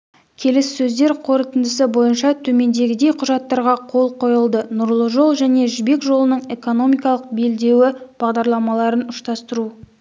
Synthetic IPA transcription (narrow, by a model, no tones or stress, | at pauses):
kʲʰe̞lessɵzd̪e̞ɾqʰo̞ɾət̪ənd̪əsəbo̞jənʃɑt̪ʰɵme̞nd̪e̞ɡʲɪd̪e̞jqʰʊʒɑt̪ːɑɾʁɑqʰo̞lˠqʰo̞jəlˠd̪ənʊɾlˠəʒo̞lˠʒæne̞ʒɪbe̞kʒo̞lˠənəɴe̞ko̞no̞mijkɑlˠəq̚be̞ld̪e̞wɪb̥ɑʁd̪ɑɾlˠɑmɑlˠɑɾənʊʃt̪ɑst̪əɾu